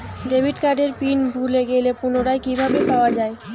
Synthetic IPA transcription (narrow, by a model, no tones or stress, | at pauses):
ɖebʱiʈkaɾɖeɾpinbʱuleɡelepunoɾaekibʱabepaoad͡ʑae